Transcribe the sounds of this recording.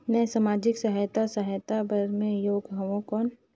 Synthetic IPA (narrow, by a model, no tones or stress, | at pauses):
mɛ̃samaːd͡ʒɪksəɦajt̪asəɦjt̪abəɾmẽjoːɡɦɐʋõkɔːn